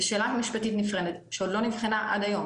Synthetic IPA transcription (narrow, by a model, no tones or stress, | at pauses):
ʃeːlamiʃpatit̪nifʁenet̪ʃeod̪lo̞nivχinaʔa̰d̪ajo̞m